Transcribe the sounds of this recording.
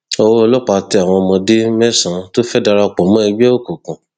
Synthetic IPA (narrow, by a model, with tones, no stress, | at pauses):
o˧wo˦˧lɔ˦k͡pa˧ti˧a˨w̃ɔ̃˧mɔ̃˧de˦mɛ˦sã˨˦to˦fɛ˦da˧ɾa˧k͡pɔ˨mɔ̃˦i˧ɡ͡bi˦ɛ˦o˦˨ko˨kɔ̃˨